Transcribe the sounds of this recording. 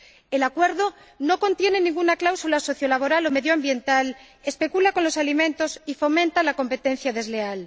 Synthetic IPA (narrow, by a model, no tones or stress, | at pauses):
elakwe̞ɾðo | no̞ko̞nt̪je̞ne̞nĩŋɡunaklawsulaso̞θjo̞laβ̞o̞ɾalo̞meðjoambje̞nt̪al | e̞spekulako̞nlo̞salimẽ̞nt̪osifo̞mẽnt̪alako̞mpe̞t̪en̟θjaðe̞zle̞al